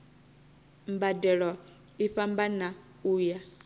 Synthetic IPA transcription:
mbadɛɺɔ | iɸambana | uːja

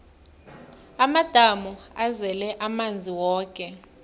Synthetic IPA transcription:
amad̥ʱamɔazɛlɛʔamand͡zʱiwɔːkʼɛ

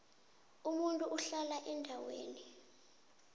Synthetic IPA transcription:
umuntʼuuɬalaʔɛndʱawḛːni

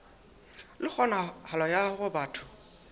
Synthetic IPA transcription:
lɪk͡xʰɔnahalɔjaɣʊbaːtʰʊ̥

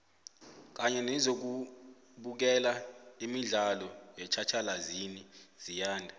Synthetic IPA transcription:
k̬aɲɛnɛzok̬u | ɓuk̬ɛlaimiɮalɔjɛt͡ʃʰat͡ʃʰalaziniz̥ijaːndʱa

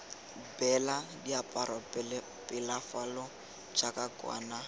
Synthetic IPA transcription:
bɛladiapʼaɾapl | pʼɪlafalɔ | d͡ʒakʼakʼwa̰ːna

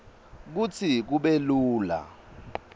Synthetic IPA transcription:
k̬ut͡sʰik̬uɓeluːla̰

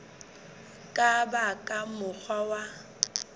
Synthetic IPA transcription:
kʼabakʼamʊk͡xʰwawa

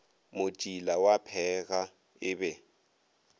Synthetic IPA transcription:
mʊt͡ʃʼilawapʰɛɣa | ɪbɛ

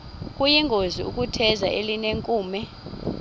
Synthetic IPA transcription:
kʼujiŋɡʱoziṵk̬ʼutʰɛzaʔelineŋkʼuːmɛ

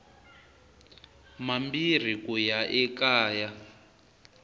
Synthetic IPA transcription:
mambir̤ikujaʔɛkaːja

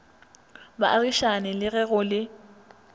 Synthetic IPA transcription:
ba̰ʔariʃanɪlɪɣɛɣʊlɪ

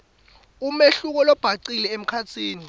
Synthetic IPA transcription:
umeɬuk̬ɔlɔb̥ʱaǀilɛem̩kʰat͡sʰiːni

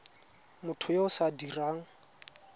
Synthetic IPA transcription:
mʊtʰʊjoʊsadiraːŋ̩

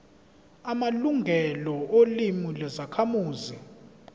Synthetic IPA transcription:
amaluŋɡʱɛlɔolimulɛzakʰamuːzi

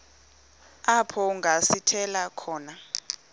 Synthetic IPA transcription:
apʰɔŋɡʱasitʰɛlakʰɔːna

